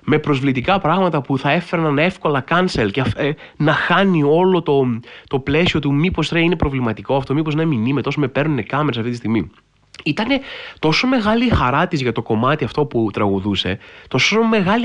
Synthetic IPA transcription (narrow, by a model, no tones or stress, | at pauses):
me̞pɾo̞zvlit̪ikɐpɾɐɣmɐt̪ɐpuθɐe̞fe̞ɾɐnɐne̞fko̞lɐkɐnselcef | nɐxɐnio̞lo̞t̪o̞t̪o̞ple̞sio̞t̪umipo̞sɾɐine̞pɾo̞vlimɐt̪iko̞ɐft̪o̞mipo̞zinɐminimet̪o̞some̞pe̞ɾnunekɐmeɾɐsɐft̪it̪ist̪iɣmi | it̪ɐne̞t̪o̞so̞me̞ɣɐlixɐɾɐt̪izʝɐt̪o̞ko̞mɐt̪iɐft̪o̞put̪ɾɐɣuðuse̞t̪o̞some̞ɣɐli